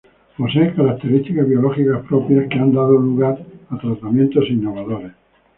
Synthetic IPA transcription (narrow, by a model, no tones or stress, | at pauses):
poseːkaɾak̚t̪e̞ɾist̪ikazβjo̞loxikaspɾopjaskeand̪aðoluɣaɾat̪ɾat̪amjent̪osinːo̞βaðoɾes